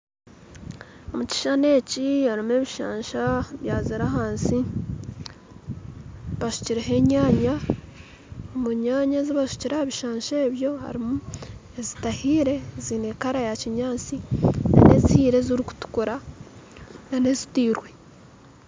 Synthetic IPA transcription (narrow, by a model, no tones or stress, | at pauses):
omuci̥ʃane̞ːcihaɾimue̞ːβiʃaːɲʃaβjaːziɾaɦaːnsi | βaʃu̥ciɾeɦe̞ɲaːɲa | omuɲaːɲaziβaʃu̥ciɾahaβiʃaːɲʃeːβjo̞ha̰ɾimuezitahiːɾe̞zine̞ːkaɾajaciɲaːnt͡sina̰ne̞zihiːɾe̞ziɾiku̥tu̥kuɾa | nane̞zitiːɾwe